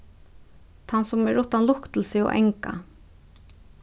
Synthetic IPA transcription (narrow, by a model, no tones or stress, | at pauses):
t̪ʰansʊmɛɹʊht̪anlʊkt̪l̩sɪɔ̰ʔɛ̰ŋka̰